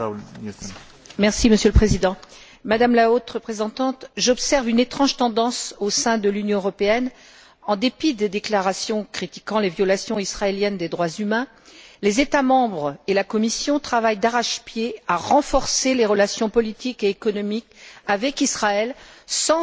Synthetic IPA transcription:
mɛʁsiməsjøləpχezid̪ɑ̃ | mad̪amlaot̪ʁəpχezɑ̃t̪ɑ̃t̪ʒɔpsɛʁvynet̪χɑ̃ʒt̪ɑ̃d̪ɑ̃sosɛ̃d̪əlynjɔ̃øʁɔpeɛn | ɑ̃d̪epid̪ed̪eklaʁasjɔ̃kχit̪i̥kɑ̃levjɔlasjɔ̃isχaeljɛnd̪ed̪ʁwazymɛ̃ | lezet̪amɑ̃bʁelakɔmisjɔ̃t̪χavajd̪aʁaʃpjeaʁɑ̃fɔʁseleʁəlasjɔ̃pɔlit̪ikeːkɔnɔmikavɛkisχaɛlsɑ̃

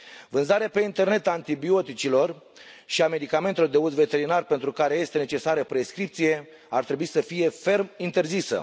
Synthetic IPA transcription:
vɨnzaɾeape̞int̪e̞rne̞t̪ant̪ibio̞t̪it͡ʃilo̞r | ʃiame̞d̪ikame̞nt̪elod̪e̞ut̪ve̞t̪e̞ɾinarpent̪ɾukaɾe̞je̞st̪e̞ne̞t͡ʃe̞saɾəpɾe̞skɾip̚t̪sije̞ | art̪ɾe̞buisəfije̞fe̞rmint̪e̞rzisə̰

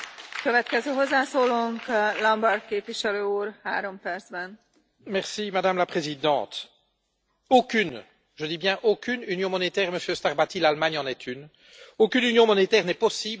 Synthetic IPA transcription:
køvɛt̪kɛzøːɦozːaːsoːloːŋklɒmbɔrt̪̚keːpviʃɛløːuːrha̰ːɾo̞mpɛrd̪zbɛn | mɛʁsimad̪amlapχezid̪ɑ̰̃ːt̪ | okʲyn | ʒəd̪ibjɛ̃ʔokʲynynjɔ̃mɔnet̪ɛːʁeməsjøst̪aʁbat̪ilalmaɲɑ̃nɛt̪ʰyn | okynynjɔ̃mɔnet̪ɛːʁnɛpɔsiːb

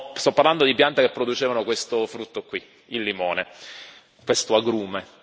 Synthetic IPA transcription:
st̪ɔpːaɾrland̪od̪ipjant̪akepːɾod̪ut͡ʃeːvanokwest̪ofɾut̪ːokwi | ilːimoːne | kwest̪oaɡɾuːme

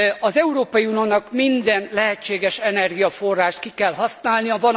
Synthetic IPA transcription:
ɒzɛuɾoːpɒjiunioːnɒkmind̪ɛnlɛɦɛt͡ʃːeːɡɛʃɛnɛrɡijɒfo̞rːaːʃt̪̚kikɛlɦɒsnaːlnijɒvɒn

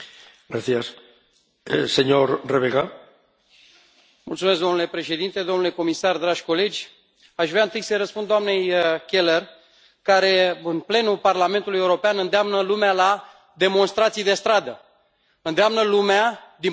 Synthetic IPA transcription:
ɡɾaθias | seɲoɾreβeɣa | mṵlt̪sumeskɡd̪o̞mnule̞pɾe̞ʃe̞d̪int̪e̞d̪o̞mnule̞ko̞misard̪ɾaʒʲko̞le̞d͡ʒʲ | aʃvɾeaɨnt̪ɨjsəjɾəspund̪oamne̞jkʲe̞ler | kaɾe̞ɨnple̞nuparlame̞nt̪ulujeuɾo̞peanɨnd̪eamnəlumeala | d̪e̞mo̞nst̪ɾat̪sijd̪e̞st̪ɾad̪ə | ɨnd̪eamnəlumead̪i

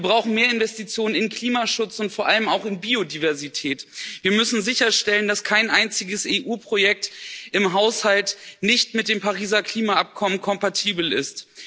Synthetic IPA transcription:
viːbʁaʊxn̩meːɐɪnvɛstit͡sjoːnənɪnkl̥iːmaʃʊt͡sʊntfoːɐʔaləmaʊxɪnbiːodiːvɛɐzitʰɛːtv̥iːɐmʏsn̩zɪçɐʃtɛləndaskʰaɪnʔaɪnt͡sɪɡəseːʔuːpʁ̥ojɛk̚tɪmɦaʊshaltnɪçtmɪt̚d̥eːmpaʁiːzɐkl̥iːmaap̚kʰɔmənkʰɔmpatʰiːbl̩ɪ̰st

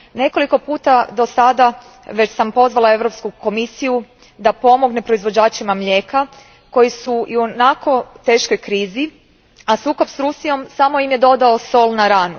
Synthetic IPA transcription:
ne̞ko̞liko̞puːt̪ad̪o̞sad̪a | ʋe̞t͡ɕsampo̞zʋalˠaeʋɾo̞pskuko̞misiju | d̪apo̞mo̞ɡnepɾo̞izʋo̞d͡ʑaːt͡ʃimamʎʲe̞ːka | ko̞jisuʔionakʰo̞t̪e̞ːʃko̞jkɾiːzi | asuːko̞bsɾusijo̞msamo̞imje̞d̪o̞d̪ao̞so̞lnaɾaːnu

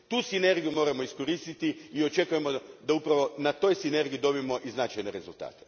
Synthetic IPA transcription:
t̪uːsine̞ɾɡijumo̞ːɾamo̞isko̞ɾist̪it̪iio̞t͡ʃe̞kuje̞mo̞d̪aupɾaʋo̞nat̪o̞ːjsine̞ɾɡijud̪o̞bimo̞ʔiznat͡ʃajneɾe̞zulˠt̪a̰ːt̪e̥

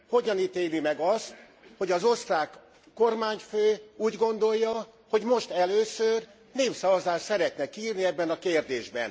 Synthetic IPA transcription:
ho̞ɟɒnit̪eːlimɛɡɒst̪ | ho̞ɟɒzo̞st̪raːkː | o̞rmaːɲføːuːɟɡo̞nd̪o̞jːɒ | ho̞ɟmo̞ʃt̪ɛløːsør | neːfsɒvɒzaːʃsɛɾɛt̪nɛkiːrniɛbːɛnɒkeːrd̪eːʒbɛ̰n

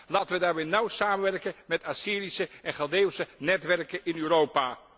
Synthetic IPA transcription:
laːtənʋədaːɹmejnʌwsaːmənʋɛrkənmɛtasiːɾisəʔɛnχalˠdewsənɛtʋɛrkənɪnyːɾowpaː

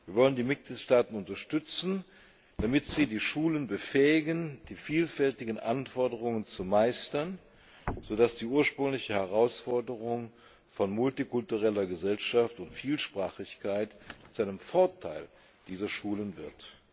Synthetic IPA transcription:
viːɐvɔləndiːmɪt̚ɡ̥liːtʃtaːtn̩ʊntɐʃtʏt͡sn̩ | d̥amɪtz̥iːdiːʃuːlənbəfɛːɪɡənd̥iːfiːlfɛltɪɡənʔanfɔɐdəʁ̞ʊŋənt͡sumaɪstɐn | z̥oːdasd̥iːʔuːɐʃpʁ̥ʏŋlɪçəhɛʁaʊsfɔɐdəʁʊŋ | fɔnmʊltikʊltuʁɛlɐɡəzɛlʃaftʊntfiːlʃpʁ̥aːχɪçkʰaɪtt͡suʔaɪnəmfɔɐtʰaɪl | d̥iːzɐʃuːlənvɪɐt

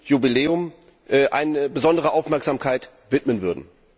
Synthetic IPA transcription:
jubileːʊm | ʔɛːʔa̰ɪnəbəzɔndəʁ̞əʔaʊfmɛɐkz̥aːmkʰaɪt | v̥ɪtmənvʏɐdn̩

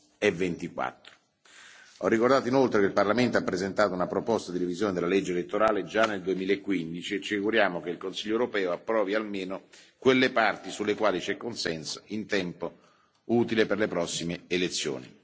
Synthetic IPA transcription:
ɛvːent̪ikwa̰t̪ːɾo̥ | ɔrːikord̪aːt̪oinolt̪ɾekeilparlament̪oapːɾezent̪aːt̪ounapɾopɔst̪ad̪iɾevizjoːned̪elaled͡ʒːelet̪ːoɾaːled͡ʒanːeld̪uemiːlaekːwind̪it͡ʃiet͡ʃːifikuɾjaːmokeilkonsiʎːoewɾopɛːoapːɾɔːvialmeːnokwelːepart̪isulːekwaːlit͡ʃɛkːonsɛnsoint̪ɛmpo | uːt̪ileperlepɾɔsːimeelet̪sːjo̰ːnḭ

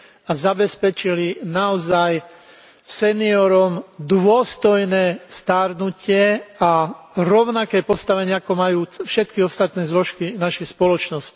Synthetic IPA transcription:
azabɛspɛt͡ʃilinaɔzaj | sɛniɔɾɔmd̪ʋʊɔst̪ɔjnɛːst̪aɾnucɪɛa | ɾɔʊnakɛːpɔst̪aʋɛɲɪaakɔmajuːfʃɛt̪kiɔst̪at̪nɛːzlɔʃkinaʃɛjspɔlɔt͡ʃnɔsci̥

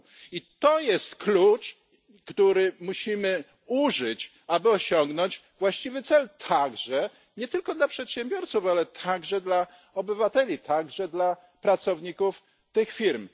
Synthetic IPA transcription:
it̪ɔjɛst̪klut͡ʂ | kt̪uɾɘmuɕimɘ | uʐɘt͡ɕ | abɘɔɕɔŋɡnɔɲd͡ʑvwaɕt͡ɕivɘt̪sɛlt̪ʰaɡʐɛ | ɲɛt̪ɘlkɔd̪lapʂɛt̪ɕɛmbʲjɔɾt̪sufalɛt̪ʰaɡʐɛd̪la | ɔbɘvat̪ɛlʲit̪ʰaɡʐɛd̪la | pɾat̪sɔvɲikuf | t̪ɘxfʲiɾm

